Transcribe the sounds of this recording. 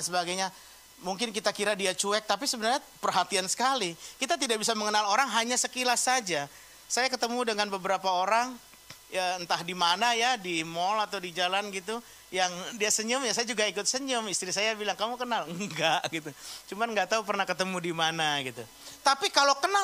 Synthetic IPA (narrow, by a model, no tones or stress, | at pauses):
nsəbaɡajɲa | muŋkɪnkit̪akiɾadiat͡ʃuɛk̚t̪apisəbənarɲa | pərɦat̪iansə̥kalikit̪at̪idaʔbisaməŋənaloɾaŋɦaɲasəkilasad͡ʒa | sajakət̪əmudəŋanbəbəɾapaoɾaŋ | əənt̪ahdimanajadimɔlat̪awdid͡ʒalanɡit̪u | jaŋdiasəɲəmjasajad͡ʒuɡaikʊt̪̚səɲʊmist̪ɾisajabilaŋkamukənalŋɡaʔɡit̪ut͡ʃumanŋɡaʔt̪aup̬ərnahkət̪əmudimanaɡit̪u | t̪apikalokəna